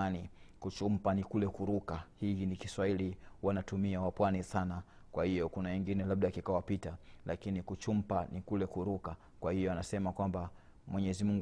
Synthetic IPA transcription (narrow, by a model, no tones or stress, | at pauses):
anikut͡ʃum̩panikulɛkuɾukahinikiswailiwanatumiawapwanisana | kwahijɔkunawɛŋɡinɛlaɓ̚ɗakikawapitalʔakinikut͡ʃum̩panikulɛkuɾuka | kwahijɔanasɛmakwamba | mwɛɲɛzimuŋɡ